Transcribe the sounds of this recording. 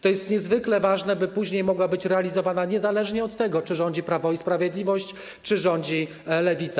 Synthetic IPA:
t̪ɔjɛst̪ɲɛzvɘklɛvaʐnɛbɘpuʑɲejmɔɡwabɘt͡ɕɾɛalʲizɔvanaɲɛzalɛʐɲɛɔt̪ːɛɡɔt͡ʂɘʐɔɲd͡ʑipɾavɔispɾavʲjed̪lʲivɔɕt͡ɕ | t͡ʂɘʐɔɲd͡ʑi | lɛvʲit̪sa

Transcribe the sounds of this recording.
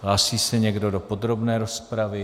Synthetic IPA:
ɦlaːsiːsɛɲɛɡdo̞do̞po̞d̪ɾo̞bnɛːɾo̞spɾavɪ

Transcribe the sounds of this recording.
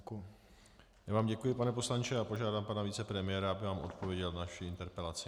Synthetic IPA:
jaːvaːmɟɛkujɪpanɛpo̞slant͡ʃɛapo̞ʒaːdaːmpanaviːt͡sɛpɾɛmɪjɛɾaabɪvaːmʔo̞̰t̪povjɛɟɛlnaʃɪɪnt̪ɛɾpɛlat͡sɪ

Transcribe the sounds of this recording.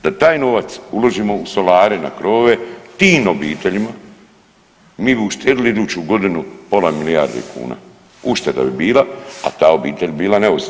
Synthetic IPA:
d̪̥at̪aːjno̞ːʋat̪suloʒiːmo̞uso̞laːɾena̰kɾo̞ːʋe̞t̪iːnobiːt̪eʎima | miːbiuʃt̪eːɾilid̪uːt͡ɕuɡo̞d̪inupo̞lamiliaɾd̪ḛkʰṵːna̰ | uʃt̪ad̪a̰bibiːlaa̰t̪aːo̞biːt̪eʎʲbiːlaneus

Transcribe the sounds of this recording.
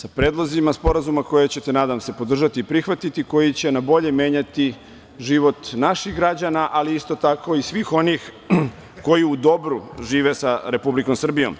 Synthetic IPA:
sapɾeːd̪lˠozimaspo̞ɾazumako̞jet͡ɕe̞t̪e̞naːd̪amse̞po̞d̪r̩ʒat̪iːpɾixʋat̪it̪iko̞jit͡ɕe̞nabo̞ʎe̞mje̞ːɲat̪i | ʒiːʋo̞t̪naʃixɡɾad͡ʑanaʔaliist̪o̞t̪ako̞isʋiːxo̞nix | ko̞jiud̪o̞bɾuʒiːʋe̞saɾe̞publiko̞msr̩bijo̰m

